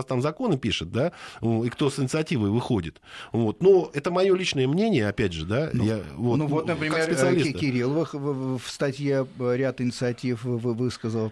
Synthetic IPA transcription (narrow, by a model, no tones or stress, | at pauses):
st̪amzɐko̞nɨpʲiʂɨt̪̚d̪aikt̪o̞sɨnʲɪt̪sɨɐtʲivəjvɨxo̞dʲɪt̪vo̞t̪noɛt̪əmɐjo̞lʲit͡ɕnəjəmnʲenʲɪjəɐpʲædʲʐɨd̪ajavonuot̪nəpɾʲɪkakʲkspɪtsɨɐlʲiskʲɪɾʲilˠvɨxfst̪ɐtʲjeɾʲat̪ɪnʲɪt̪sɨɐtʲifvɨvɨskəzəlˠ